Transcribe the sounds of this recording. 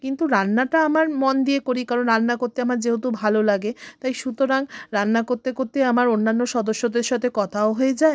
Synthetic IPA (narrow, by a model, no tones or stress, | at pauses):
kint̪uɾanːaʈaamaɾmond̪iekoɾikaɾonɾanːakoɾt̪eamaɾd͡ʑeɦot̪ubʱalolaɡet̪ajʃut̪oɾaŋɾanːakoɾt̪ekoɾt̪eamaɾonːanːoʃɔd̪oʃːod̪eɾʃɔt̪ʰekɔt̪ʰaoɦoed͡ʑae